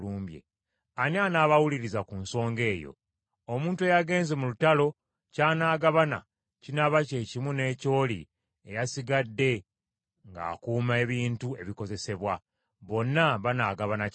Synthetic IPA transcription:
luːmbjḛ | anianaːβawuliɾizakunso̞ːŋɡe̞ːjo̞̰ | omuːntue̞jaɡe̞ːnze̞mulutalo̞ | caːnaːɡaβana̰ | cinaβace̞ːcimune̞ːco̞ːlḭ | ejasiɡadːe̞ | ŋɡa̰ːkuːmae̞βiːntue̞βiko̞ze̞se̞βwa | βo̞nːaβanaːɡaβana

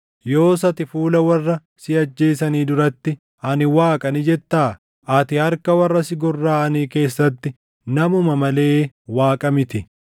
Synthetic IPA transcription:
jo̞ːs̬ɐt̪ɪfuːlɐwɐrːɐ | sɪɐd͡ʒːe̞ːsɐniːd̪ʊɾɐt̪ːɪ | ɐnɪwaːkʼɐnɪd͡ʒɛt̪ːaː | ʔɐt̪ɪhɐɾkɐwɐrːɐsɪɡɔrːaːɐniːke̞ːsːɐt̪ːɪ | nɐmʊmɐmɐle̞ːwaːkʼɐmɪt̪ɪ

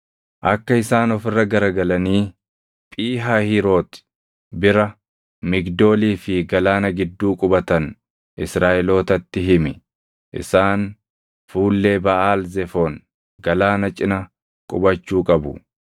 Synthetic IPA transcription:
ʔɐkːɐɪsaːnɔfɪrːɐɡɐɾɐɡɐlɐniː | pʼiːɦahɪɾo̞ːt̪ | bɪɾɐ | mɪɡd̪o̞ːliːfɪɡɐlaːnɐɡɪd̪ːuːkʼʊbɐt̪ɐn | ʔɪsɾaːʔɛlo̞ːt̪ɐt̪ːɪɦɪmɪ | ʔɪ̰saːn | fuːlːeːbɐʔaːlzɛfoːn | ɡ̥ɐlaːnɐt͡ʃʼɪnɐ | kʼʊbɐt͡ʃːuːkʼɐbʊ

